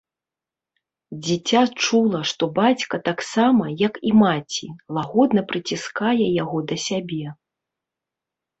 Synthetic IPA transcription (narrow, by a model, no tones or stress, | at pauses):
d͡zʲit͡sʲat͡ʂulˠɐʂt̪ɔbat͡sʲkɐt̪aksamɐjɐkimat͡sʲilˠaɣɔd̪nɐpɾɨt͡sʲiskajɛjaɣɔd̪ɐsʲabʲɛ